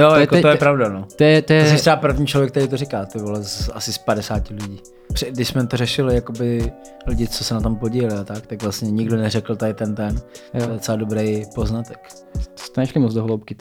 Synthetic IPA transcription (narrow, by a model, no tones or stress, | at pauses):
jojkot̪ojɛpɾavdanot̪jɛt̪ojɛsɪt̪ɾɛbapr̩vɲiːt͡ʃlovjɛk̚t̪ɛɾeijt̪̬orɪkaːt̪obɪla̰sɪspadɛsaːcɪlɪɟiː | pr̥ɛdɪʃsmɛt̪orɛʃɪlɪjakobɪ | lɪɟɪt͡sosɛnat̪ompoɟiːɛlɪat̪akt̪akvlastɲɛɲɪɡdonɛrɛkl̩t̪adɪt̪ɛnt̪ɛnt̪ojɛt͡sɛladobɾejpoznat̪ɛk̪ | st̪ɛnɛʃlɪmot͡sd̪oɦlowp̚kɪ